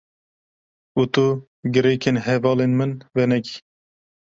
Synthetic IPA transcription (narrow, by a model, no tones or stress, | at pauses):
ut̪u | ɡɨɾeːkʰeːnɦɛvɑːlenmɨnvɛnɛɡi̥